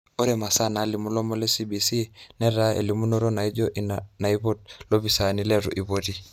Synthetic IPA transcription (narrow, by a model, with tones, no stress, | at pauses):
o˦ɾɛ˨ma˨sa˦na˨˦li˨mu˦lɔ˦mɔ˦lɛ˦si˦bi˨si˦nɛ˦ɾa˦ḛ˨li˨mu˦nɔ˦ɾɔ˦na˨i˦d͡ʒɔ˦ʔi˨na˨i˦βɔ˦t̚lo˦βi˨sa˨ni˦lɛ˦ɾṵ˨ʔi˨βo˦ti˦